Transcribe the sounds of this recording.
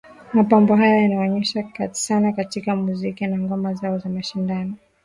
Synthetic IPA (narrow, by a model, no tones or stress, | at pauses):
mapambɔɦajajanaɔɲɛʃakazi̥sanakatikamuzikinaŋɡɔmazaɔzamaʃindanɔ